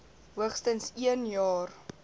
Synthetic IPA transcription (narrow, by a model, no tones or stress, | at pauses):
ɦuəχstənsiənjɑːr